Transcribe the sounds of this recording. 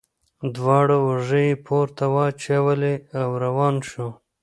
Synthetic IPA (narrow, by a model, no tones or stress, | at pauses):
d̪wɑːɽoːʐəjepʰoɾt̪awɑt͡ʃewaleawɾawɑːnʃo